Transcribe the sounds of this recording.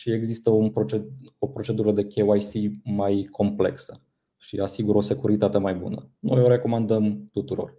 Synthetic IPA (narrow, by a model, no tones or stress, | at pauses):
ʃie̞ɡzist̪əunpɾot͡ʃeo̞pɾo̞t͡ʃe̞d̪uɾəd̪e̞kʲeajsimajkʰo̞mple̞̰ksə | ʃḭasiɡuɾo̞se̞kuɾit̪at̪e̞majbṵnəno̞̰jo̞ɾe̞ko̞mand̪əmt̪ut̪uɾo̞̰r